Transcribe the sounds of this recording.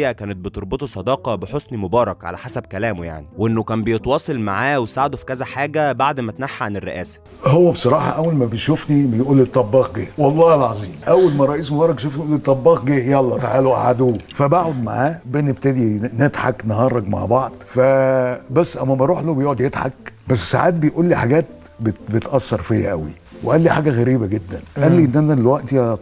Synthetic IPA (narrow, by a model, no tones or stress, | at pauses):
jːækæːnet̪̚bet̪oɾˤbet̪ˤusˤɑd̪ɑːqɑbeħosnimobɑːɾˤɑkʕa̰læħasæbkælæːmo̰ja̰ʕniwʔenːokæːmbejet̪wɑːsˤɑlmaʕaːwesaʕd̪ofi̥kæzæħaːɡæbaʕd̪mæt̪ænaħːaʕanerːḛʔæːsæ̥ | howːæbesˤɑɾˤɑːħɑ̰ʔæwːælmæbejʃufnibejʔuːlːit̪ˤːɑbːɑːq̚ɡeːwɑlˤːɑʔælʕɑzˤiːmʔæwːælmæɾˤɑʔiːsmobɑːɾˤɑk̚ʃufnijuːlit̪ˤːɑbːɑːq̚ɡeːjɑlˤːɑt̪aʕaːloʔa̰ʕad̪ufæbaʕod̪ma̰ʕaːbenebt̪æd̪ined̪ħaknɑɦɑɾˤɑɡma̰ʕbɑʕd̪ˤfæbæsːʔæmːæbɑɾˤuːħlobejoʔʕod̪jed̪ħɑk̚bæsːsa̰ʕaːt̪̚bejʔuːlːiħaɡæːt̪̚ | bebet̪ʔɑsːɑɾˤfijæ̰ʔæwḭ | weʔælːiħaːɡæɣæɾiːbæɡed̪ːænʔʔælːiʔenːʔænæd̪elwæʔt̪iɑ